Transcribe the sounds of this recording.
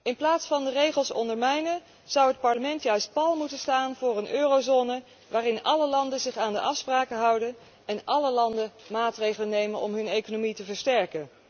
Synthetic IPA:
ɪnplaːtsfɑndərejχəlˠsɔ̰ndəɹmɛjnə | z̥ɑwɦət̚pɑɹləmɛntjœɥst̚pɑlˠmutənstaːnvʊːrənʔøːrowzoːnə | ʋaːrɪnɑləlɑndənzɪχaːndəʔɑfspraːkəɦɑwdən | ɛnʔɑləlɑndəmaːtrejχələnejmənɔ̰mɦɵnejkonomitəvəɹstɛɹkən

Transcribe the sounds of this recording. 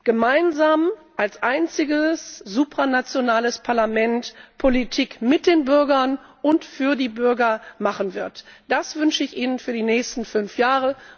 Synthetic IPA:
ɡ̥əmaɪnzaːm | ʔalsʔaɪnt͡sɪɡəszuːpʁ̥anat͡sjonaːləspʰaɐlamɛntpʰolitʰiːkmɪt̚d̥eːnbʏɐɡɐnʊntfyːɐdiːbʏɐɡɐmaχən̩vɪɐtd̥asv̥ʏnʃəɪçʔiːnənfyːɐdiːnɛːçstn̩fʏnfjaːʁə

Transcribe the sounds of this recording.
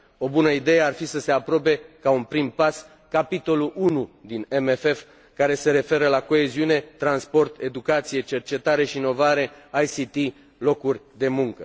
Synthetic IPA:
o̞bunəid̪e̞jearfisəse̞apɾo̞p̬e̞kaunpɾimpas | kapit̪o̞luʔunud̪inemefe̞f | kaɾe̞se̞ɾe̞fe̞ɾəlako̞e̞ziune̞t̪ɾanspo̞rt̪e̞d̪ukat̪sije̞t͡ʃe̞rt͡ʃe̞t̪aɾe̞ʃiːno̞vaɾe̞ajsit̪i | lo̞kurʲd̪e̞muŋkə

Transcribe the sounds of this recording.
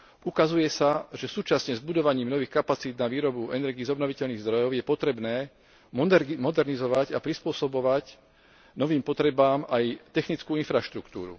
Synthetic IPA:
ʔukazujɛsaʒɛsuːt͡ʃasɲɛzbud̪ɔʋaɲiːmnɔʋiːxkapat͡siːd̪naʋiːɾɔbuɛnɛɾɡiːzɔbnɔʋicɛʎniːɣzd̪ɾɔjɔʊjɛpɔt̪ɾɛbnɛː | mɔmɔd̪ɛɾnizɔʋaɟapɾispʊɔsɔbɔʋac | nɔʋiːmpɔt̪ɾɛbaːmajt̪ɛxnit͡skuːinfɾaʃt̪ɾukt̪ṵːɾṵ

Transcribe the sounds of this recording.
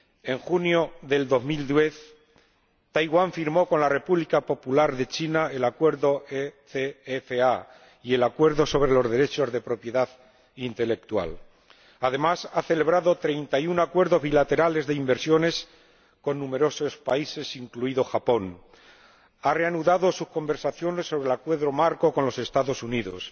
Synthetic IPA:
e̞ŋxunjo̞ðe̞ld̪o̞zmild̪je̞θ | t̪ajɣwaɱfiɾmo̞ko̞nlare̞puβlikapo̞pulaɾðe̞t͡ʃinae̞lakwe̞ɾðo̞eθeefea | ie̞lakwe̞ɾðo̞so̞β̞ɾe̞lo̞zðe̞ɾe̞t͡ʃo̞zðe̞pɾo̞pjeðað | int̪e̞le̞k̚t̪wa̰l | aðe̞masaθe̞le̞β̞ɾaðo̞t̪ɾe̞jnt̪ajunakwe̞ɾðo̞zβilat̪e̞ɾale̞zðeimbe̞ɾsjo̞ne̞s | ko̞nːũme̞ɾo̞so̞spaise̞siŋkluiðo̞xapo̞n | are̞anuðaðo̞suhko̞mbe̞ɾsaθjo̞ne̞sːo̞βɾe̞lakwe̞ðɾo̞maɾko̞konlo̞se̞st̪aðo̞suniðo̞̰s

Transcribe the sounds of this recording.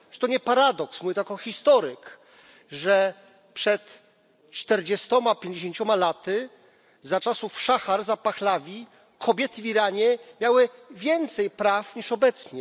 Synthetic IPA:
ʐɛ̥t̪ɔɲɛpaɾad̪ɔksmuvit̪akɔxʲist̪ɔɾɘk | ʐɛ | pʂɛt̪ | t͡ʂt̪ɛɾd͡ʑɛst̪ɔmapʲjeɲd͡ʑeɕeɲt͡ɕɔmalat̪ɘ | zat͡ʂasufʂaxaɾzapaxlavʲi | kʰɔbʲjɛt̪ɘvʲiɾaɲɛmʲjawɘvʲjɛnt̪sɛjpɾafɲiʂɔbɛt̪sɲɛ

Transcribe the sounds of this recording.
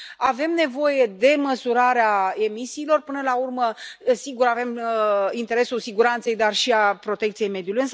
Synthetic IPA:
ave̞mne̞vo̞je̞d̪e̞məsuɾaɾeae̞misiːlo̞rpɨnəlaurməsiɡuɾave̞mint̪eɾe̞sulsiɡuɾant̪se̞jd̪arʃiapɾo̞t̪e̞k̚t̪sije̞jme̞d̪julujɨns

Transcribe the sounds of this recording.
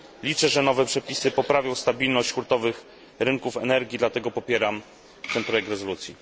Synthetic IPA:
lʲit͡ʂɛʐɛnɔvɛpʂɛpʲisɘpɔpɾavʲjɔ̃w̃st̪abʲilnɔɕt͡ɕkɾut̪ɔvɘx | ɾɘŋkufɛnɛɾɡʲid̪lat̪ɛɡɔpɔpʲjɛɾam | t̪ɛnpɾɔjɛk̚t̪ɾɛzɔlut̪sʲjḭ

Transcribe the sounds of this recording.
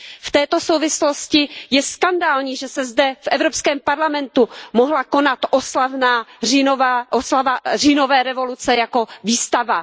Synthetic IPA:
ft̪ɛːt̪o̞sowvɪslo̞scɪjɛskandaːlɲiːʒɛsɛzdɛfʔɛvɾo̞pskɛːmpaɾlamɛnt̪umoɦlako̞nat̪ʔoslavnaːrinovaʔoslavariːno̞vɛːɾɛvo̞lut͡sɛjako̞viːst̪ava

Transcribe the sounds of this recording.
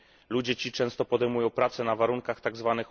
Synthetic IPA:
lud͡ʑɛt͡ɕit͡ʂɛ̃w̃st̪ɔpɔd̪ɛjmujɔ̃w̃pɾat̪sɛnavaɾuŋkaxt̪aɡzvanɘx

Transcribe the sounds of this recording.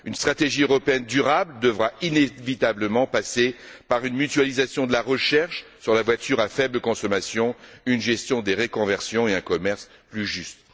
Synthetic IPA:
ynst̪χat̪eʒiøʁɔpeɛnd̪yʁabld̪əvʁainevit̪abləmɑ̃pasepaʁynmyt̪ɥalizasjɔ̃d̪əlaʁəʃɛʁʃsyʁlavwat̪ʰyʁafɛbləkɔ̃sɔmasjɔ̃ynʒɛst̪jɔ̃d̪eʁekɔ̃vɛʁsjɔ̃eɛ̃kɔmɛʁs | plyʒyst̪

